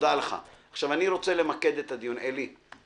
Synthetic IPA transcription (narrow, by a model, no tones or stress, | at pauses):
d̪aleχa̰aχʃavaniɾo̞t͡se̞le̞make̞d̪et̪ad̪ijuneli